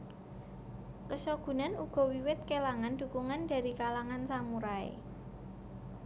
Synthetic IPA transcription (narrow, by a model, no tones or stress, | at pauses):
kəsɔɡ̥ṳnanuɡ̥ɔ̤wiwɪt̪̚kelaŋand̪̥ṳkuŋanda̤ɾikalaŋansaŋuɾaḛ